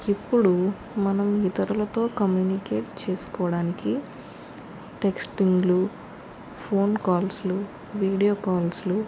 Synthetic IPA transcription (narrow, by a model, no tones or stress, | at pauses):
ipːuɽu | mɐnɐmit̪ɐɾulɐt̪o̞ːkɐmjuːnikeːʈt͡ʃe̞ːsu̥kɔːʋɐɽaːniki | ʈe̞ksʈiŋɡlu | pʰo̞ːnkaːlslu | ʋiːɽijoːkaːlslu